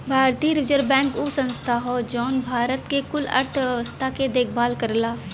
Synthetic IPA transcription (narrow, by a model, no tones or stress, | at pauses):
bʱaːɾt̪iɾɪd͡ʒəɾbɛ̃ːŋkusə̃nst̪ʰaɦoːd͡ʒɔːnbʱaːɾət̪kekʊlə̰ɾt̪ʰʋəʋəst̪ʰaked̪eːkʰbaːlkəɾlaː